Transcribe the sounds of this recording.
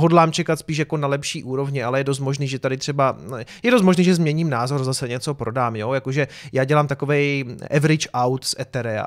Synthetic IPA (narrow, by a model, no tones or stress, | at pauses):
ɦodlaːmt͡ʃɛkat̪spiːʃ̬jako̞nalɛpʃiːʔuːɾo̞vɲɪalɛjɛdo̞s̬t̪moʒniːʒɛt̪adɪt̪r̥ɛbajɛdos̬t̪moʒniːʒɛzmɲɛɲiːmnaːzo̞ɾzasɛɲɛt͡so̞pɾo̞daːmjo̞jakoʒɛ | jaːɟɛlaːmt̪akovɛjʔɛvɾɪt͡ʃʔawt̪sʔɛt̪ɛɾɛa̰